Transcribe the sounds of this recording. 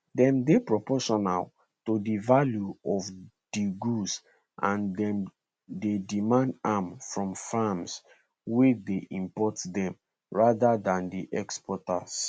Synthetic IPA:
dɛ̃mdepɹɔpɔʃɔna̰l | todivaljuɔf | d̥iɡus | ʔãndɛ̃m | dedimãndamfɹɔ̃mfams | wedeʔĩmpɔtdɛ̃m | ɹadadãndiʔɛkspʰɔta̰s

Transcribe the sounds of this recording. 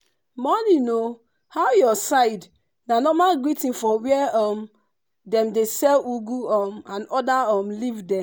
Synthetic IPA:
mɔnino | haʊjɔsaɪd | nanɔmaɡɹitĩnfɔwɛɛɔm | dɛ̃mdesɛluɡuɔmãnɔdaɔmlivdɛ

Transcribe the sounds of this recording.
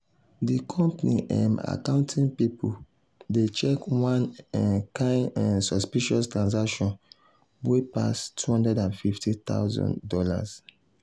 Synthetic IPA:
dikʰɔ̃mpnḭʔã̰ma̰kãʊ̃ntʰĩnpipʰu | det͡ʃɛkwãnkʰãɪ̃ãnsɔspiʃɔstɹãnsakʃɔ̃n | wepa̰stʰuhɔ̃ndɛdãnfiftit̪a̰ʊzɔ̰̃ndɔla̰s

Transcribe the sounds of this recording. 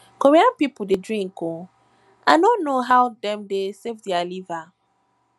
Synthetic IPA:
koɹiãnpipʊdedɹĩŋko | anõnnːoɦaʊdɛ̃mdesevdialiva

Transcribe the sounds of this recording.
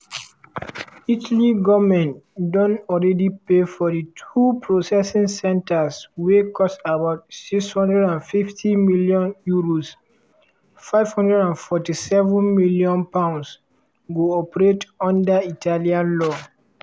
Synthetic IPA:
itliɡɔvmɛ̃ntdɔ̃nɔlɹɛdipefɔditʰupʰɹosɛsĩŋsɛ̃ntaswekɔstabaʊtsikshɔ̃ndɹɛdãnfiftʰĩmiljɔ̃njuɹos | faɪvhɔ̃ndɹɛdãnfɔtisɛvũnmiljɔ̃npãʊ̃ns | ɡoɔpɹetɔ̃ndaitʰaliãnlɔ

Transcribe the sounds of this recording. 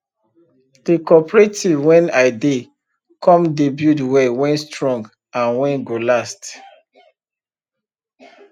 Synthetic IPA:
d̥ekɔpɹetʰivwɛ̃naɪde | kʰɔ̃mdebjudwɛwɛ̃nstɹɔ̃ŋɡ | ãnwɛ̃nɡolast

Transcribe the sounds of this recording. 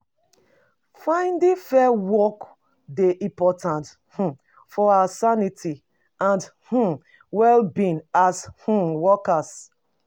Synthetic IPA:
fãɪ̃ndĩfɛwɔk | deʔĩpɔtãnt | h̩ | fɔasanitʰi | ãndh̩ | wɛlbĩnash̩wɔkas

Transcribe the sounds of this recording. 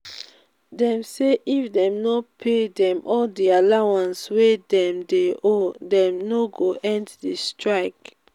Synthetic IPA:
dɛ̃mseʔifdɛ̃mnopʰedɛ̃mʔɔldialawãnswedɛ̃mdeʔodɛ̃mnoɡoʔɛ̃nddistɹaɪk

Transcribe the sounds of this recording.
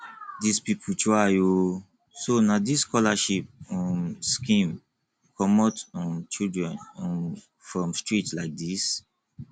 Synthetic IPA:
dispipʰut͡ʃɔajo | sonadiskɔlaʃip̚ɔ̃skĩm | kʰɔmɔtɔ̃nt͡ʃildɹɛ̃nɔ̃n | fɹɔ̃mstɹitlaɪk̚dis

